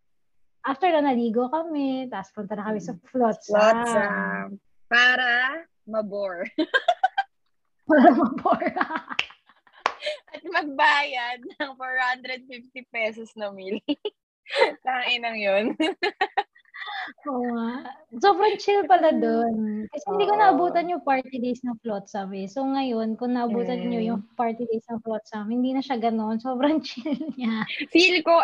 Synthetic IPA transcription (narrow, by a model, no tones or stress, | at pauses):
ʔaft̪ɛɹnɐnɐliːɡokɐmɛt̪aːʔɐspʊnt̪ɐnɐkɐmɛsɐflot̪̚sa | paːɾɐ | mɐboɹ | paːɾɐmɐboɹ | ʔɐt̪mɐɡ̚baːjɐd̪̚nɐŋfoɹhand̪ɾɛd̪̚fift̪ipɛsɔsnɐmilɪ | t̪aʔɪnɐŋjon | ʔo | sobɾɐŋt͡ʃɪlpɐlad̪onkɐsɛhɪnd̪iːkonɐʔɐbuːt̪ɐnjʊŋpaɹt̪ɪd̪ejsnɐŋflot̪̚sɐmɛsoŋɐjo̞nkʊŋnɐʔɐbuːt̪ɐnɲojʊŋpaɹt̪ɪd̪ejsnɐŋflot̪̚samhɪnd̪iːnɐʃaɡɐnonso̞ːbɾɐŋt͡ʃɪlɲasilko